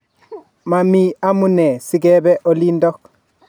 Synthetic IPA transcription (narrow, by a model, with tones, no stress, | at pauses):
ma˨mi˦a˦mu˦ne˨si˨ɡe˦be˦ʔo˦li˦ndo˦k̚